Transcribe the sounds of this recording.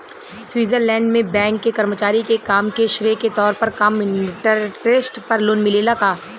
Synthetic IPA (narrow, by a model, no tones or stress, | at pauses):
swiːzəɾlɛ̃ːɳɖmẽbɛ̃ːŋkːekɐɾmət͡ʃaːɾikekaːmkeʃɾeːket̪ɔːɾpɐɾkɐmɪ̃ʈəɾeːsʈpɐɾlʊnmɪlelaɡaː